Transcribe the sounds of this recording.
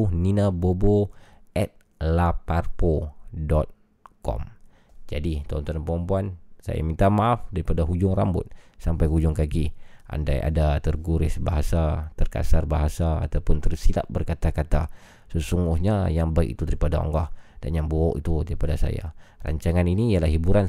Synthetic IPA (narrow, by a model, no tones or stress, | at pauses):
hninaboboʔɛt̪̚ | laparpodɔt̪̚ | kɔ̰m | d͡ʒadit̪ɔnt̪anpɾɔmpuansa̰ja̰mint̪amaafdaɾipadaɦud͡ʒʊŋrambʊ̰t̪̚sampajɦud͡ʒʊŋkaɡiʔa̰nda̰ja̰dat̪ərɡuɾɪsbaɦasat̪ərka̰sarbaɦasaa̰t̪apʊnt̪ərsila̰ʔ̚bərkat̪akat̪a | səsuŋɡʊhɲajaŋbaikḭt̪udaɾipadaɔ̰ŋɡɔhd̥a̰njaŋboɔʔḭt̪udaɾipadasa̰ja̰ra̰ɲt͡ʃaŋaniniːjalahibuɾan